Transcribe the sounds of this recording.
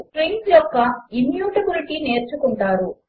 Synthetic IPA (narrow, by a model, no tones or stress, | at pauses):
kɾejnsjɔkːɐimjuːʈɐbiliʈiːne̞ːɾt͡ʃukuɳʈaːɾu